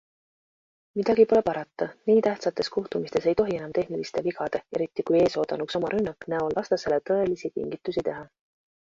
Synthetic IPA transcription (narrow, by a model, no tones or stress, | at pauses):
mid̪̥ɑɡ̥ipo̞le̞pɑɾɑt̪ˑːɑniːt̪æht̪sɑt̪ːˑe̞skuht̪umist̪e̞se̞jt̪o̞ɦie̞nɑmt̪e̞hnilist̪e̞viɡɑd̪̥ee̞ɾit̪ːˑikuje̞ːso̞ːd̪̥ɑ̰nukso̞mɑɾʔynːɑkːˑnæolvɑst̪ɑse̞let̪ɤ̞e̞lisit̪ḭŋɡit̪ːˑusit̪e̞ɦɑ